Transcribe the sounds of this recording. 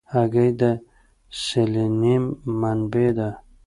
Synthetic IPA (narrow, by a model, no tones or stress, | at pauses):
aɡajd̪a | selenimːanbed̪a